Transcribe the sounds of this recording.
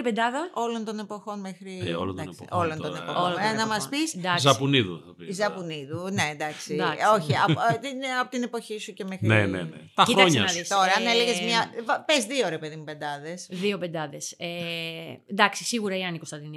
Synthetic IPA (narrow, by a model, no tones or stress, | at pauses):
ipend̪ɐðɐo̞lo̞nt̪o̞nepo̞xo̞nmexɾio̰lond̪npolononepoolonɐmɐspisnd̪ɐzɐpuniðṵθɐpizɐpuniðunend̪ɐksid̪ɐo̞çiɐt̪ineɐpot̪inepo̞çisucemexɾinenḛnḛt̪ɐiɾɐoɲseɐnɐðist̪o̞ɾɐɐneleʝezmɲɐvɐpezðio̞ɾe̞pe̞ðimupe̞nd̪ɐðe̞sðio̞pe̞nd̪ɐðe̞se | nd̪ɐksisiɣuɾɐiɐnikost̪ɐnd̪ini